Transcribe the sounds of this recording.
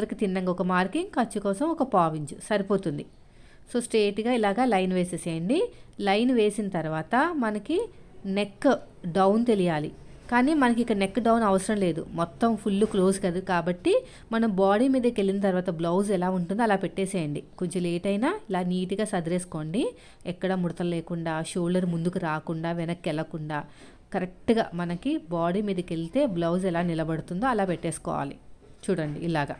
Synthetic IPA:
ɐɾikit̪inːɐŋɡɐɔkɐmaːɾkiŋɡkɐɾt͡ʃːukɔːsɐmɔkɐpaːʋiɲd͡ʒusɐɾipo̞ːt̪und̪i | so̞ːsʈeːʈɡaːilaːɡaːlɐjnʋeːseːseːjɐɳɖilɐjnʋe̞ːsinɐt̪ɐɾuʋaːt̪ɐmɐnɐkine̞kː | ɖɐwnt̪e̞lijaːlḭkaːniːmɐnɐk̬iikɐnekːɖɐwnɐʋɐsɾɐmle̞ːd̪ṵmɔt̪ːɐmpʰulːuklo̞ːskɐd̪ukaːbɐʈːi | mɐnɐmbaːɽiːmiːd̪ɐke̞linɐt̪ɐɾuʋaːt̪ɐblɐwzɛlaːuɳʈund̪iɐlaːpeʈːeːseːjɐɳɖikoɲt͡ʃɐmeːʈɐjnaːilaːniːʈiɡaːsɐd̪ɾeːsu̥ko̞ːɳɖi | ɛkːɐɽɐmuɽɐt̪ɐlleːkuɳɖaːʃoːɖɐɾmund̪ukuɾaːkuɳɖaːʋɛnɐkːɛlɐkuɳɖaː | kɐɾek̚ʈɡa̰ːmɐnɐkibaːɽiːmiːd̪ɐke̞lit̪e̞ːblɐwz̬ɛlaːnilɐbɐɽut̪und̪oːɐlaːpɛʈːeːsu̥kɔ̰ːʋa̰ːlḭt͡ʃuːɽɐɳɖḭːlaːɡɐ̰

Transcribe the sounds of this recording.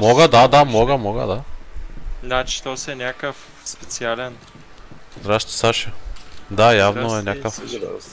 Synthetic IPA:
mɔɡəd̪ad̪amɔɡəmɔɡə̰d̪a | nat͡ʃi̥t̪ɔsɛnʲjakəf | spɛt̪sialɛn | zd̪ɾaʃt̪i̥saʃəd̪ajavnoɛnʲakəf

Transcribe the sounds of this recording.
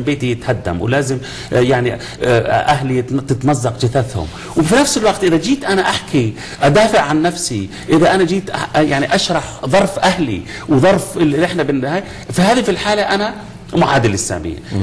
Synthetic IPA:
beːt̪ijɪt̪had̪ːa̰mwlaːzɪm | jaʕni | ʔaɦlit̪ɪt̪mɑzːɑqd͡ʒɪθaθhʊ̰m | wfinafsɪlwɑqt̪ʔɪðad͡ʒiːt̪ʔanaʔaħki | ʔad̪aːfɪʕʕanːafsi | ʔɪðaʔanad͡ʒiːt̪ʔajaʕniʔaʃɾˤɑħðˤɑɾˤfʔahlḭ | wðˤɑɾˤfɪʔɪħnabɪnːhaːja | fihaːðifilħaːlaʔana | mʊʕaːd̪ɪlɪsːa̰ːmḭːn

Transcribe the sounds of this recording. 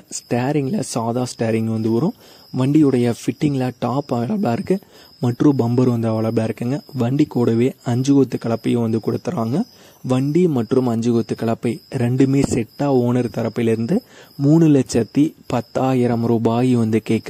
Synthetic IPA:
sʈaːɾɪŋɡlɐsaːðaːsʈaːɾɪŋɡʋɐnd̪ɯʋɐɾʊ̃ | ʋɐɳɖiɯɽɐjɐfɪʈːɪŋɡlɐʈaːpɐʋɐɭɐbɭaːɪɾɯkːɯ | mɐʈrɯ̃bɐmbɐɾʋɐnd̪ɐːʋɐɭɐbɭaːɪɾɯkːɯŋɡɐʋɐɳɖikoːɽɐʋeːɐɲd͡ʒɯɣot̪ːɯkɐɭɐpːɐjʊ̃ʋɐnd̪ɯkʊɽɯt̪ːɯɾaːŋɡɐ | ʋɐɳɖimɐʈrɯmɐɲd͡ʒɯɣot̪ːɯkːɐɭɐpːɐɪɾɛɳɖɯmeːsɛʈːaːoːnɐɾɯt̪ɐɾɐpːɪɪlɪɾɯnd̪ɯmuːnɯlɐt͡ʃːɐt̪ːipɐt̪ːaːjɪɾɐmɾɔbaːjiʋɐnd̪ɯkeːkː

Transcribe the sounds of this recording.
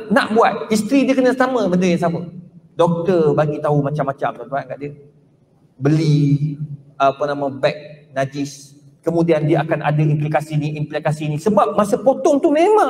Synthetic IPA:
naʔbuat̪̚ist̪ɾidiəkənəsamə̃bəndəjaŋsamə̃dɔk̚t̪ərbaɡit̪aɦumat͡ʃamːat͡ʃamt̪ant̪uankaʔdiə | bəli | apənãmə̃bɛk̚nad͡ʒis | kəmũdiandiəʔakanʔa̰dəimplikasinĩʔimplikasinĩsəbap̚masəpot̪ɔŋt̪umemã

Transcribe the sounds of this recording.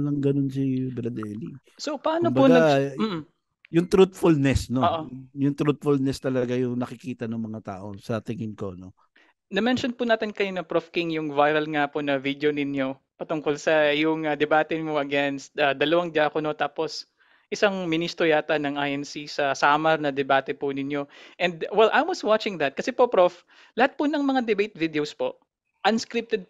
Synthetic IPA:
lɐŋɡɐnonsibɾɐd̪ɛli | sopɐʔaːnk̪ombɐuɡ̪a | jʊŋt̪ɾut̪̚fʊlnɛsnooʔojʊŋt̪ɾut̪̚fʊlnɛst̪ɐlɐɡajʊŋnɐkɪkiːt̪ɐnʊŋmɐŋat̪a̰ːʔo̞sɐt̪ɪŋɪnko̞no̞ | nɐmɛnʃonpʊnaːt̪ɪnkɐjonɐpɾofkɪŋjʊŋvajɾɐlŋaponɐvid̪jonɪnjo̞ | pɐt̪ʊŋkolsɐjʊŋɐd̪ɛbaːt̪ɛmoʔɐɡɛnst̪̚ɐd̪ɐlɐwaŋd̪jaːkono̞t̪aːpo̞s | ʔɪsaŋmɪnist̪ojaːt̪ɐnɐŋʔajʔɛnsisɐsaːmɐɾnɐd̪ɛbaːt̪ɛpʊnɪnjo̞ʔɛ̃nd̪̚wɛlʔajmwɔswat͡ʃɪ̃ŋd̪ɐt̪̚kɐsɛpopɾof | lɐhat̪̚pʊnɐŋmɐŋad̪ɛbejt̪̚vid̪eowspo̞ʔ | ʔɐnskɾip̚t̪ɛd̪̚

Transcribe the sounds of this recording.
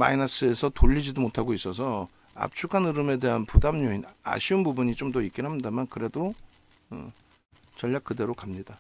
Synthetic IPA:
ma̰inas͈ɯe̞sʰʌtoʎːid͡ʑidomotʰaɡois͈ʌsʰʌ | a̰p̚t͡ɕʰukʰanɯɾɯme̞de̞ɦanpudamɲoina̰ɕʰiunbubuɲit͡ɕomtʌik͈inɦamɲidamankɯɾe̞do | ɯ̰ | t͡ɕʌʎːak̚k͈ɯde̞ɾokamɲida

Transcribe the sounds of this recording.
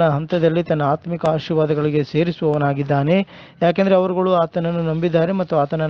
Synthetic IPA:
nɐɦɐnt̪ɐd̪ɐlːit̪ɐnːɐaːt̪mikɐaːʃiɾʋaːd̪ɐɡɐɭiɡe̞se̞ːɾisuʋɐʋɐnaːɡid̪ːaːne̞ | jaːk̬end̪ɐɾeɐʋɐɾuɡɐɭuaːt̪ɐnɐnːunɐmbid̪ːaːɾe̞mɐt̪ːuaːt̪ɐnːɐ

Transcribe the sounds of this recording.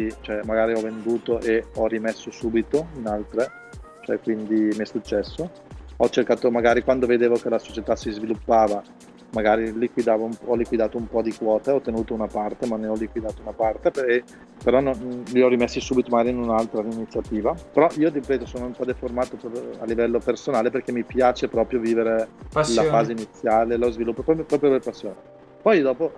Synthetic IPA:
it͡ʃoɛmaɡaːɾiɔvːend̪uːt̪oʔeɔrimesːosuːbit̪oinalt̪ɾe | t͡ʃoɛkwind̪imiɛsːut͡ʃːɛsːo | ɔt͡ʃːerkaːt̪omaɡaːɾikwand̪oved̪eːvok̟elasot͡ʃet̪asizvilupːaːva | maɡaːɾilikwid̪aːvoumɔlikwid̪aːt̪oumpɔd̪ikwɔːt̪eɔt̪ːenuːt̪ounapart̪emanːeɔlːikwid̪aːt̪ounapart̪epe | peɾɔnonliɔrimesːisuːbit̪omaɡaːɾiːnunalt̪ɾainit̪sːjat̪iːvapeɾɔʔiːod̪ipɛːt̪osoːnoumpɔd̪eformaːt̪opɾɔɾjoa̰lːivɛlːopersonaːleperkemːipjaːt͡ʃepɾɔːpɾjoviːveɾelafaːzeinit̪sːjaːlelɔzvilupːoppɾɔːpɾjoperpasːjoːne | pɔjd̪ɔːpo

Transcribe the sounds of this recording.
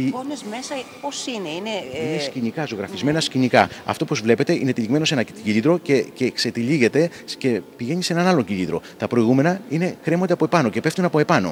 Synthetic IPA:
ponezme̞sɐposineineinescinikɐzo̞ɣɾɐfizme̞nɐscinikɐɐ̰ft̪opozvle̞pe̞t̪eʔinet̪iliɣme̞no̞se̞nɐciʎiðɾo̞cecekse̞t̪iliʝe̞t̪e̞ | ce̞piʝe̞ɲise̞nɐnɐlo̞ɲciʎiðɾo̞̰t̪ɐpɾo̞iɣume̞nɐine̞kɾe̞mo̞nd̪epoe̞pɐno̞ce̞pe̞ft̪unɐpo̞e̞pɐno̞̰

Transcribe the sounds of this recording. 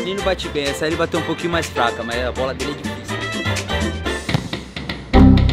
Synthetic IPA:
nẽnʊbat͡ʃibẽj̃ɛsɐelibat̪ewũpokĩɲʊmajsfɾakɐmazɛɐbɔlɐd̪elɪɛd͡ʒifisjuẽfika

